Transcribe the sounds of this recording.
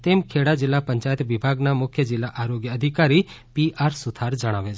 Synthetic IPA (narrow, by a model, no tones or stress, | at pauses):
t̪emkʰeɽad͡ʒɪlːapəɲt͡ʃajət̪ʋibʱaɡnamʊkʰjəd͡ʒɪlːaʔaɾoɡjəːd̪ʱikaɾi | piaɾsud̪ʱʰaɾd͡ʒəɽ̃aʋet͡ʃʰ